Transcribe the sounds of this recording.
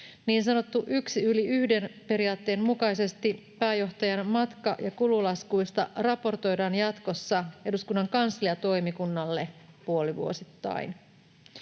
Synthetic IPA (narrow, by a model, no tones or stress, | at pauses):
niːnsɑno̞t̪ːuʔyksiyliyhde̞npe̞ɾiɑːt̪ːe̞ːnmukɑjse̞st̪i | pæːjo̞ht̪ɑjɑnmɑt̪kɑ̰ʔjɑkululɑskujst̪ɑ̰rɑpo̞rt̪o̞jdɑːnjɑt̪ko̞sːɑe̞duskunːɑŋkɑnsliɑt̪o̞jmikunːɑlːe̞puo̞liʋṵo̞̰sit̪ːɑ̰in